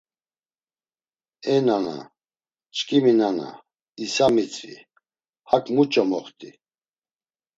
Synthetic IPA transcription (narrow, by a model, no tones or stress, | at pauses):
ɛnana̰ | t͡ʃkʼiminana̰ | isamit͡sʼɾḭ | hakʼmut͡ʃʼɔmɔχt̪ʼi